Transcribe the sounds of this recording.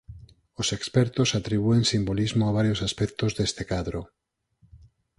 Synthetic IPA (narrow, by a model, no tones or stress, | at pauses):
osekspɛɾt̪osat̪ɾiβueŋsimbolizmoaβ̞aɾjosaspɛk̚t̪ozðest̪ekaðɾo